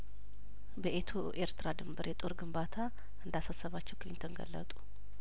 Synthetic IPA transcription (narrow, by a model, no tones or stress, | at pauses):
bəʔet̪ʰoʔeɾt̪ʰɨɾad̪ɨmbəɾjɛt̪ʼo̞ɾɡɨmbat̪ʰa | ʔɨnd̪asasəβat͡ʃːɛwkɨlint̪ʰonɡə̰lːə̰t̪ʼu̥